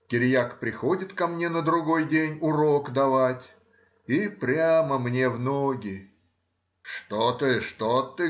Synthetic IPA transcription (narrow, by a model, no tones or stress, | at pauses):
kʲɪɾʲjakpɾʲɪxo̞dʲɪt̪kɐmnʲe̞nəd̪ɾʊɡo̞jdʲenʲʊɾo̞kd̪ɐvatʲ | ipɾʲaməmnʲe̞vnoɡʲɪ | ʂt̪ot̪ɨʂt̪ot̪ːɨ